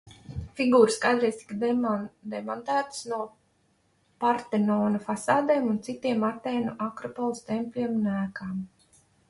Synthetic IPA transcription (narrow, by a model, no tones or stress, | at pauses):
fiɡuːɾɨskajd̪ɾɛjst̪i̥k | d̪ɛmɔnt̪æːt̪snuɔ | paɾt̪ɛnɔːnafasaːd̪ɛːmunt̪sit̪iɛmat̪ɛːnuʔakɾɔpɔlˠst̪ɛmpʲlʲiɛmunæːkaːm